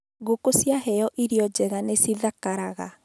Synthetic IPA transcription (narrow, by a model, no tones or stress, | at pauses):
ɣokosjaɦɛjɔʔiɾjɔd͡ʒɛɣanesiðakaɾaɣa̰